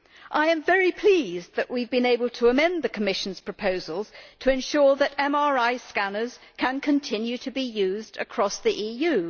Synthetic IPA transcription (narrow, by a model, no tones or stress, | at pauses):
ʔaɪɨ̃ɱvɛɹipʰl̥izðɨʔwivbɨ̃neɪbəlˠtʰəːmɛ̃nðɨkʰəmɪʃn̩z̥pʰɹ̥əpʰoʊzəl̩ˠz̥tʰɨɨ̃nʃʊɹðɨɾɛ̃mɑɹaɪskænə˞z̥ | kʰə̃nkʰɨ̃ntʰɪ̃njʉɾʰɨbijʉzdɨ̰kʰɹ̥ɔsðiʔijʉ